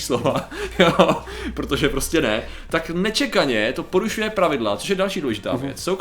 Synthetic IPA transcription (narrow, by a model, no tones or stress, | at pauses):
slovajo | pɾot̪oʒɛpɾo̞scɛnɛ | t̪aknɛt͡ʃɛkaɲɛt̪o̞po̞ɾuʃujɛpɾavɪdlat͡so̞ʃ̬jɛdalʃiːduːlɛʒɪt̪a̰ːvjɛ̰t͡ssow